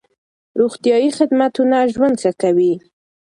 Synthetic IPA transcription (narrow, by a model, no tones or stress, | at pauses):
ɾoɣt̪jɑjixɪd̪mat̪unaʒwand̪sakawi